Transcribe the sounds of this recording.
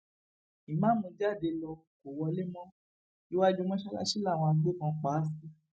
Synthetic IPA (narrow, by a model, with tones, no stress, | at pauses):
i˨mãː˨˦mũ˧d͡ʒa˦˨de˧lɔ˧ | ko˨wɔ˧le˦mɔ̃˦ | i˦wa˦d͡ʒu˦˧mɔ̃˦ʃa˦ka̰˦ʃi˦la˦˨w̃ɔ̃˧a˧˦ɡ͡be˦˨kã˧k͡paː˨˦si˦